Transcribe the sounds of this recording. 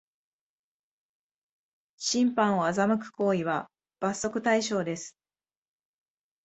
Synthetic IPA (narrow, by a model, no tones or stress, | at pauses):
ɕĩmpãɰ̃o̞azamɯ̟kɯ̟̥ko̞ːiβa | b̥aso̞kɯ̟t̪aiɕo̞ːd̪e̞sɨ̥